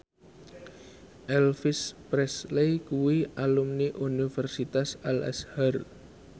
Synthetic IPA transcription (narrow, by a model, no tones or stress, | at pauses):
ʔɛlfispɾɛslejkuwialumniʔunifɛrsit̪asalɛ̰shar